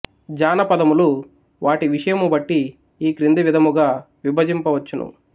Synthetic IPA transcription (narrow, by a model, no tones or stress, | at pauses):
d͡ʒaːnɐpɐd̪ɐmulu | ʋaːʈiʋiʂɐjɐmubɐʈːiː | kɾind̪iʋid̪ʱɐmuɡaː | ʋibʱɐd͡ʒimpɐʋɐt͡ʃːunṵ